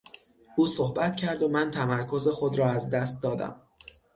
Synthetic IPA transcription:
ʔuːsohbæt̪cʰæɾd̪omænt̪ʰæmæɾkʰo̞ze̞xod̪ɾɒːæzd̪æst̪̚d̪ɒːd̪æ̰m

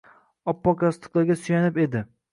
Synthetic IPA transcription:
ɒpːɒkʰast̪ɨ̥klˠaɾɡʲasʊjanɪpe̞d̪ɪ

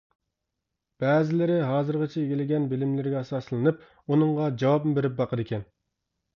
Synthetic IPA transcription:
b̥ɛːzɪlɪɾɪɦɑːzɨɾʁɨt͡ʃʰɛeɡʲilɪɡʲɛnbɪlɪmlɪɾɪɡʲɛɑsɑslˠɨnɨp̚ | unɨŋʁɑd͡ʒɑwɑbmɨbeɾɪp̚bɑqʰəd̪ɪkʲʰɛn

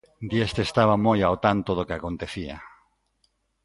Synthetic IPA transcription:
d̪jest̪est̪aβamojawt̪ant̪oðokeako̞nt̪eθia̰

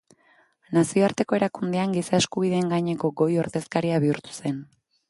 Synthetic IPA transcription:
nasio̞aɾt̪e̞ko̞e̞ɾakund̪eaŋɡisae̞skuβ̞iðe̞ːŋɡaɲeko̞ɡo̞jo̞ɾðe̞skaɾiaβiuɾt̪u̥se̞n

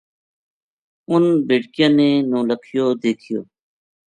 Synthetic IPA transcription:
ʊnbeːʈkijãːneːnõːləkʰjoːd̪eːkʰɪjoː

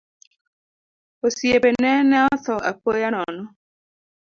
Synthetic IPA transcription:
osjebenɛnɛɔθɔa̰pojanɔnɔ

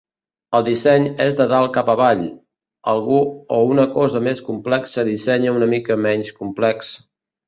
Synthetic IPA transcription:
əlˠd̪isɛɲezðəðalˠkapəβaʎ | əlˠɣuounəkɔzəmeskumplɛksəðisɛɲəunəmikəmɛɲskumplɛks

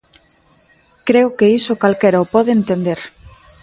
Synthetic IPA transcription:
kɾeokeisokalkeɾaopɔðeent̪end̪eɾ

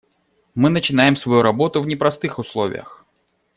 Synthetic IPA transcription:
mɨnət͡ɕɪnajɪmsvɐjuɾɐbo̞t̪ʊvnʲɪpɾɐst̪ɨxʊslˠovʲɪ̰jə̰x

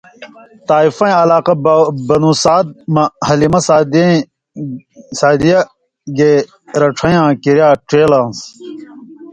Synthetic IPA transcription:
t̪aːifɐ̃j̃ɐlaːqɐbɐnũːsaːd̪̚mɐhɐlimɐsaːd̪ | saːd̪ijɐ | ɡeː | ɾɐʈ͡ʂʰɐ̃jãːkiɾjaːʈeːlãːns

